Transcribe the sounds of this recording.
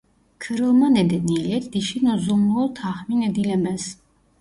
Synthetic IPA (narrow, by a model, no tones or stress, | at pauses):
kʰəɾəlˠmanɛd̪ɛnilɛt̪ʰd̪iʃinɔzɔmlɔt̪ʰaχminɛd̪ilɛmɛs